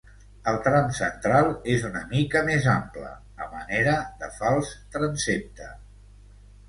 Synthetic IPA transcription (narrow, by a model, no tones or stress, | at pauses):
əlˠt̪ɾamsə̰nt̪ɾalˠezunəmikəmezamplə̰ | ə̰mə̰neɾəðəfalˠst̪ɾənsep̚t̪ə